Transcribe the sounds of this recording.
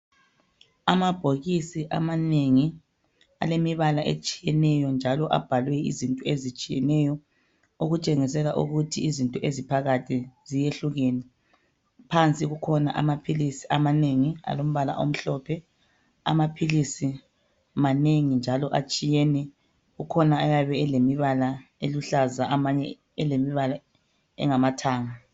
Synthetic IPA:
amab̥ʱoɣisiʔa̰maneŋi | a̰lemiβalaʔḛt͡ʃʼi̥jɛnɛjɔnd͡ʒʱalɔʔa̰b̥ʱalwɛḭzintʼɔezit͡ʃʼijɛ̰nɛjɔ | uɣut͡ʃʼeŋisɛlaʔṵɣutʰiizintʼɔʔezipʰaɣatʰizijeɬuɣeni | pʰant͡sʼiɣukʰɔna̰ʔa̰mapʰilisiʔamaneŋia̰lom̩βala̰ʔo̰m̩ɬɔpʰɛ | a̰mapʰilisi | maneŋind͡ʒʱalɔʔat͡ʃʼijɛnɛ | ɣukʰɔnaːjaβɛɛlemiβalaeluɬazaamaɲɛ | ɛlemiβala | ɛ̰ŋamatʰaːŋa

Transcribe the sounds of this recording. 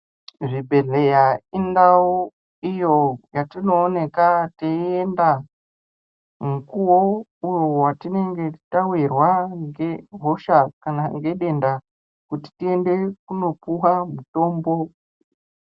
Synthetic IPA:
ʐibʱe̞ɮe̞jaindau | ijo̞jatino̞ːne̞kateienda | mukuwo̞ujo̞watine̞ŋɡe̞tawirwaŋɡe̞ɦoʃakanaŋɡe̞ɗe̞nda | kuti̥tie̞nde̞kuno̞puwamuto̞ːmbo̞

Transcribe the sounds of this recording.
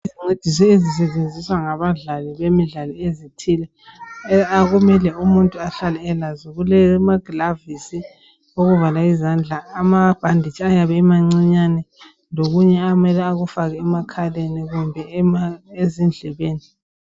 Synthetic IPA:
iziŋ͡ǀʱed̥ʱis̬ɔezis̬ɛt͡ʃʼend͡zʱiswaŋaβaɮaliβemiɮalɔezitʰilɛ | aɣumɛlɛumuntʼuaɬalɛːlaziɣulɛmaɡ̥lavisi | oɣuvalaizand͡ɮʱaːmab̥ʱandʱit͡ʃʼiajaβɛːmaŋ͡ǀiɲanɛ | loɣuɲɛamɛlɛaɣufaɣɛːmakʰaleniɣumbʱɛ | ezind͡ɮʱɛβeːni

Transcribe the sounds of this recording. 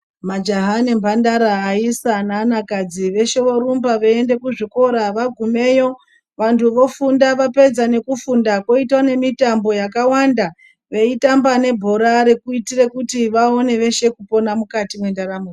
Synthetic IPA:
mad͡ʒaɦanembʱandaɾaːisanaːnakad͡ziʋe̞ʃe̞ʋo̞ɾumbaʋeende̞kuʐiko̞ɾaʋaɡʱume̞jo̞ | ʋantʰuʋo̞fundaʋape̞d͡zane̞kufundako̞itwane̞mitambo̞jakawanda | ʋe̞itambane̞bʱo̞ɾaɾe̞kuitire̞kutiʋao̞ne̞ʋe̞ʃe̞kuponamukatimwe̞ndaɾamur

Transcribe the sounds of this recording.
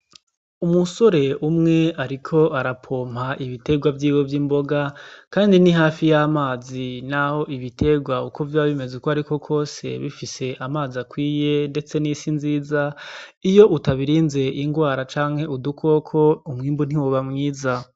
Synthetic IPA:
umuso̞ɾe̞umŋe̞ʔaɾikʰo̞ʔaɾapʰo̞ːm̥haʔiβite̞ɡwavjiːwo̞vjiːmbo̞ɡakaːndiniɦaːfijamaːzinaho̞ʔiβitʰe̞ɡwaukʰo̞vjaβime̞zukoaɾiko̞kʰo̞ːse̞̰βifise̞ʔamaːziakwiːje̞nde̞t͡se̞nisinziːzaijo̞ʔutaβiɾiːnze̞ʔiŋɡwaːɾat͡ʃaːŋ̥he̞udukʰo̞ːkʰo̞umŋiːmbun̥iwuβamŋiːza

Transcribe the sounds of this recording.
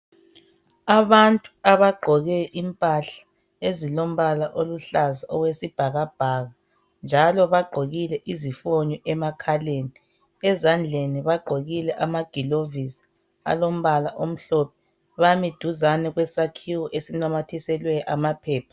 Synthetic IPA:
aβantʼuaβaɡ͡ǃʱɔɣɛʔimpʼaɬḁ | ezilom̩βalaʔoluɬazaʔɔɣwesib̥ʱaɣab̥ʱaɣa | nd͡ʒʱalɔβaɡ͡ǃʱoɣilɛʔizifoɲɔʔɛmakʰaleni | ɛzand͡ɮʱeniβaɡ͡ǃʱoɣilɛʔamaɡ̥ʱilovisi̥ | a̰lom̩βalaʔom̩ɬɔp̚ʰɛ | βamid̥ʱuzanɛɣwɛsakʰiwɔʔesinamatʰisɛlwɛʔamapʰɛːpʰḁ

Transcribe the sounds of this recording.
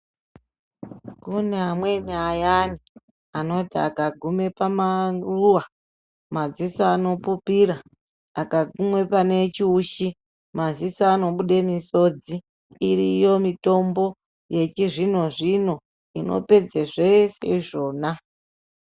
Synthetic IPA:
kuneamweniajani | ano̞tia̰kaɡʱume̞pamaruwa | mazisaːno̞pupiraː | kaɡʱumwe̞pane̞t͡ʃiuʃi | mazisaːno̞ɓuɗemiso̞d͡ziː | rijo̞mito̞mbo̞ | je̞t͡ʃiʐino̞ʐino̞ | ino̞̰pe̞d͡zeʐeseiʐo̞ːna

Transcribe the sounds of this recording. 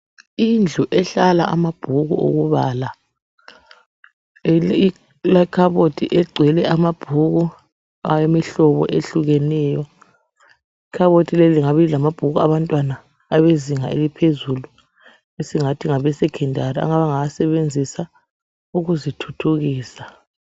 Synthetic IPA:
ind͡ɮʱuʔɛɬalaa̰mab̥ʱuɣṵo̰ɣuβaːla | lakʰaβotʰʼiʔɛɡ͡ǀʱwɛlɛamab̥ʱuɣu | ajemiɬɔβɔ̰ʔeɬuɣɛnɛːjɔ | ikʰaβotʰʼileliŋaβilamab̥ʱuɣuaβantʼwanaː | βeziŋa̰elipʰezulu | esiŋatʰiŋaβɛsɛkʰɛndʱaria̰ŋaβaŋaasɛβend͡zʱisa | uɣuzitʰutʰuɣiːsa

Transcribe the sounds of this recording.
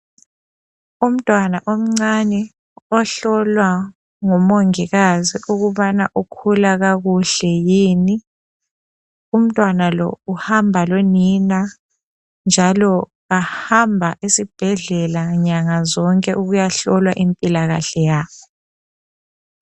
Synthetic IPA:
um̩tʼwanaʔom̩ŋ͡ǀanɛ | ɔɬɔlwa | ŋɔmoŋiɣaziʔuɣuβanaʔukʰulaɣaɣuɬɛjiːni | um̩tʼwanalɔ̰uhambʱalonina | nd͡ʒʱalɔ | ahambʱaʔisib̥ʱɛɮɛlaɲaŋazɔŋkʼɛʔuɣujaɬɔlwaʔimpʼilaɣaɬɛjaːβɔ

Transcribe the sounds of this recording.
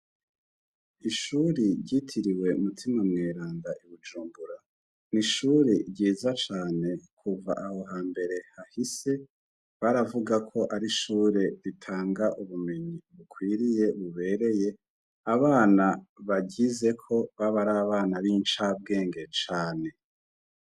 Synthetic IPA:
iʃuɾiɾɟitʰiɾiwe̞mutʰimamŋeːɾaːndaʔiβud͡ʒuːmbuɾa | niʃuɾeɾɟiːzat͡ʃaːne̞kʰuva̰ʔaho̞ɦaːmbe̞ɾe̞hahise̞ | βaɾavuɡakʰo̞ʔaɾiʃuːɾe̞ɾitʰaːŋɡaʔuβume̞ɲiβukwiːɾije̞βuβe̞ːɾe̞je̞ | aβaːnaβaɟize̞kʰo̞βaβaɾaːβaːnaβiːnt͡ʃab̚ɡe̞ːŋɡe̞t͡ʃaːne̞

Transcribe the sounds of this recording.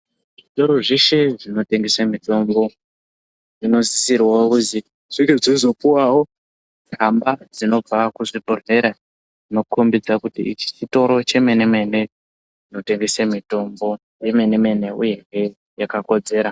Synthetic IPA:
ʐitoɾo̞ʐiʃeʐino̞te̞ŋɡesamito̞mbo̞ | ʐino̞zisirwaokuti | ʐ̥iɡeʐezo̞puwawo | kambad͡zino̞b͡vakuʐibʱore̞ɾa | d͡zino̞kumbid͡zakutḭt͡ʃi̥t͡ʃito̞ɾo̞t͡ʃe̞me̞ne̞me̞ne̞ | ino̞te̞ŋɡesemito̞mbo̞ | jeme̞ne̞me̞ne̞ṵje̞ŋe̞ | jakako̞d͡ze̞ːɾa

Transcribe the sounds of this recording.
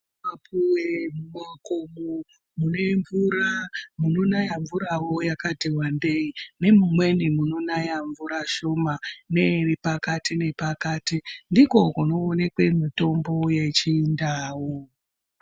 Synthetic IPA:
mapʰuwemumakomu | muneɱvuramuno̞najaɱvuɾawo̞jakadewambe̞ine̞mumwe̞nimuno̞najaɱvuɾaʃo̞mane̞ripakatine̞pakaːtindiko̞kunoːne̞kwe̞mito̞mbo̞je̞t͡ʃiːndaːwo

